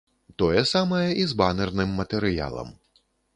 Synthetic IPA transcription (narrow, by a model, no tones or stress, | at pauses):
t̪ɔjɛsamɐjɛʔizbanɛrnɨmːɐt̪ɛɾɨja̰lˠɐ̰m